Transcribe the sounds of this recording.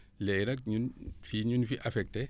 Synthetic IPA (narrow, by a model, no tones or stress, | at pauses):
lɛjɾɐk̚ɲunfiɲunfiʔafɛk̚te